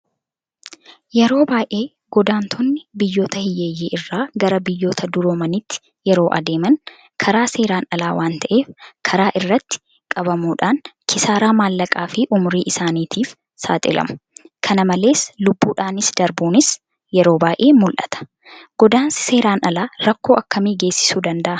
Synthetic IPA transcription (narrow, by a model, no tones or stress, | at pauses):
jɛɾo̞ːbaːjʔe̞ː | ɡ̥ɔd̪aːnt̪ʰɔnːɪbɪjːo̞ːt̪ɐhɪjeːjːeːʔɪrːaːɡɐɾɐbɪjːo̞ːt̪ʰɐd̪ʊɾoːmɐnɪt̪ːɪ̥ | jɛɾoːʔɐ̰d̪e̞ːmɐn | kʰɐɾaːse̞ːɾaːnɐlaːwaːnt̪ɐʔe̞ːfkʰɐɾaːʔɪrːɐt̪ːɪ̥ | kʼɐβɐmuːᶑaːnkʰɪsaːɾaːmaːlːɐkʼaːfɪʔʊmʊɾiːʔɪsaːniːt̪ʰiːf | sa̰ːt̪ʼɪ̰lɐ̰mʊ̥kʰɐnɐmɐle̞ːslʊbːuːᶑaːnɪsd̪ɐɾbuːnɪs | jɛɾo̞ːbaːʔe̞ːmʊlʔɐ̰t̪ɐ̥ | ɡ̥ɔd̪aːnsse̞ːɾaːnɐlaːɾɐkːo̞ːʔɐkːɐmiːɡe̞ːsːɪ̥suːd̪ɐnd̪ɐʔɐ